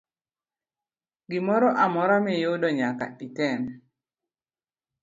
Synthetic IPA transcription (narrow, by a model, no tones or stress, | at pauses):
ɡɪmɔɾɔʔamɔɾamɛjodɔɲaka̰itɛn